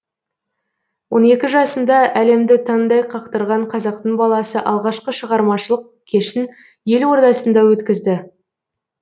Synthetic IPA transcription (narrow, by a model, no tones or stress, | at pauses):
wo̞ne̞kʲɪʒɑsənd̪ɑʔæle̞md̪ɪt̪ʰɑnd̪ɑjqʰɑqt̪əɾʁɑɴqʰɑzɑq̚t̪əɴbɑlˠɑsəʔɑlˠʁɑʃqəʃəʁɑɾmɑʃəlˠəq̚kʲʰe̞ʃɪn | je̞lwo̞ɾt̪ɑsənd̪ɑwɵt̪kʲɪzd̪ɪ